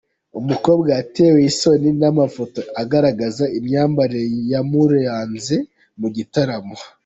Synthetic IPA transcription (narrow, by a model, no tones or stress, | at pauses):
umuko̞ːbɡaːteːweiso̞ninamafo̞toaɡaɾaɡazaimɲaːmbaɾejamuɾejaːnze | muɟitaɾamo